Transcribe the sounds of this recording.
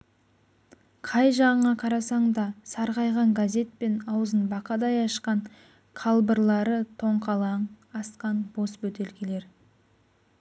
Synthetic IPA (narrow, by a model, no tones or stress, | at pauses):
qʰɑjʒɑʁəɴɑqʰɑɾɑsɑɴd̪ɑsɑɾʁɑjʁɑŋɡaze̞t̪̚pe̞nɑwəzənbɑqɑd̪ɑjɑʃqɑɴ | qʰɑlˠbəɾlˠɑɾət̪ʰo̞ɴqɑlˠɑɴ | ɑsqɑnbo̞sbɵt̪e̞lkʲele̞ɾ